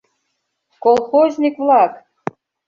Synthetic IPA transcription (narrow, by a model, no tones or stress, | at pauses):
kolˠxozʲnʲikvlˠɑk